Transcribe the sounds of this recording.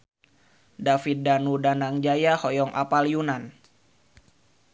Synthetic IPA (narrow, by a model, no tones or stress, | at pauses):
dafit̪̚danudanaŋd͡ʒajahɔjɔŋʔa̰palijunan